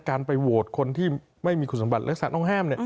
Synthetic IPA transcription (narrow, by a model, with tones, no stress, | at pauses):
kaː˧npa˧jwoː˨˩t̪̚kʰo˧nt̪ʰiː˥˩ | ma˥˩jmiː˧kʰu˨˩sa˩˦ba˨˩t̪̚ʔa˦˥k̚sa˧˦nɔ˥˩ŋɦaː˥˩mni˥˩ə